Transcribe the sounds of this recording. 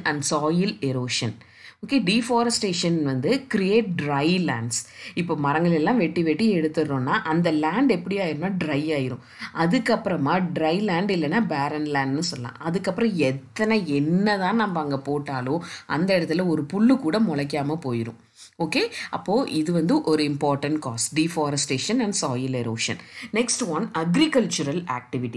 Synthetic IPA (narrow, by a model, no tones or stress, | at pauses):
ɐɳɖsaːjɪlɛɾoːʂɐn | oːkeːɖiːfaːɾɐsʈeːʂɐnʋɐnd̪ɯkɪɾɪeːʈ̚ɖɾɐɪla̰ːɳɖsɪpːoːmɐɾɐŋɡɐɭɛlːãːʋɛʈːiʋɛʈːiɛɽɯt̪ːɯɾõːnːaːʔɐnd̪ɐlaːɳɖɛpːɐɽɪjaːjɪɾɯmnaːɖɾɐɪaːjɪɾʊ̃ | ʔɐðɯkːɐpːɯɾɐmaːɖɾɐɪlaːɳɖɪlːɐnːaːbaːɾɐnlaːɳɖnɯsɔlːã̰ːʔɐðɯkːɐpːɯɾɐ̃ɛt̪ːɐnɐɛnːɐt̪ãːnɐmbɐɐŋɡɐpoːʈːaːlõːʔɐ̰nd̪ɐɛɾɐt̪ːɪlɐɔɾɯpʊɭːɯkuːɽɐmɔɭɐk̬ːaːmɐpoːjɪɾʊ̰̃ | oːkeːɐ̰pːoːʔɪðɯʋɐnd̪ɯʔɔɾɯɪmpaːɾʈɐɳʈkaːsɖiːfaːɾɐsʈeːʂɐnɐɳɖsaːjɐlɛɾo̰ːʂɐ̰nnɛksʈʋɐnɐɡɾɪkɐlt͡ʃʊɾɐla̰ːk̚ʈɪʋɪʈːi